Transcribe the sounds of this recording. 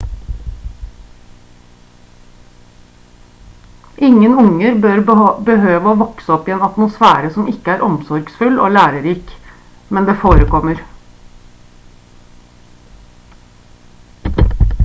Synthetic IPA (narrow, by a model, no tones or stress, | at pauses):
ʔɪŋənʊŋəɾbøːɾbəhøːʋəoːʋɔksəɔpiːeːnɑt̪mʊsfæ̰ːɾəsɔmɪkəæːɾʔɔmsɔɾɡsfʉlo̰ːlæːɾəɾiːk | mɛnd̪eːfoːɾəkɔməɾ